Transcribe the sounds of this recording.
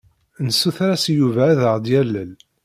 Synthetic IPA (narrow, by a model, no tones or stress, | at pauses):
nəsːuθɾæsjuvæːðəʁd̪jælːəl